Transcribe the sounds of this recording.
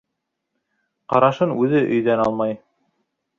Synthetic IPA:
qɑɾɑʃɤnʉðɘʔɵ̆jðænɑlˠmɑj

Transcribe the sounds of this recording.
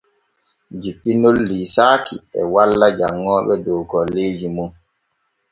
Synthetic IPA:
d͡ʒiɓːinolːiːsaːkḭɛ̰walːad͡ʒaŋːɔːɓɛdɔwkɔlːeːd͡ʒimun

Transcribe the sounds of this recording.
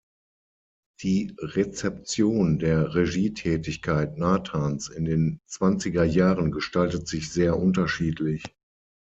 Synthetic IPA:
d̥iːʁet͡sɛp̚t͡sjoːndeːɐʁeʒiːtʰɛːtɪçkʰaɪt̚naːtʰaːnsɪndeːnt͡sv̥ant͡sɪɡɐjaːʁənɡəʃtaltətz̥ɪçz̥eːɐʔʊntɐʃiːtʰlɪç

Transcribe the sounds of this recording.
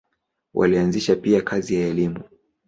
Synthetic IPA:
wʔa̰lianziʃapiakʰazijaɛlimu

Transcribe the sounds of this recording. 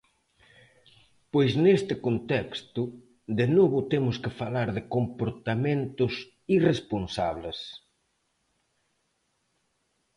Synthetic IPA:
pojsnest̪ɪkont̪ɛkst̪ʊ | d̪enoβʊt̪emʊskɪfalaɾðɪkompoɾt̪amẽnt̪ʊs | iresponsa̰βles

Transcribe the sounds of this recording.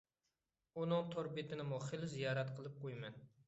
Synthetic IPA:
unɨŋt̪ʰoɾbɪt̪ʰɪnɪmuχelzijɑːɾɛt̪qʰəlˠɨp̚qʰojmɛn

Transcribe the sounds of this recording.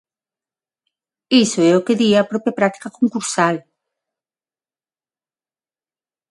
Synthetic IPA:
isoɛokeðiapɾopeapɾat̪i̥kakoŋkuɾsal

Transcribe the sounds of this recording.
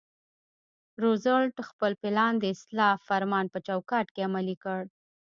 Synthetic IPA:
ɾozəlʈxpəlpɪlɑnd̪əɪslɑfaɾmɑnpət͡ʃawkɑʈkeamalikəɽ

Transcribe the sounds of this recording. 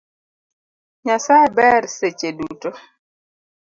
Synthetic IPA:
ɲasabɛɾset͡ʃeduto

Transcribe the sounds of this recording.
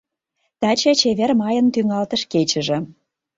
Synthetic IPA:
t̪æt͡ɕĕt͡ɕeβermɑjə̆nt̪yŋɑlt̪ə̆ʃket͡ɕə̆ʒĕ

